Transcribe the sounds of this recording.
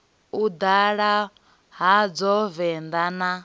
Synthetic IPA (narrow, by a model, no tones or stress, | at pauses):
ud̪aɺa | ɦad͡zɔvɛnd̪ana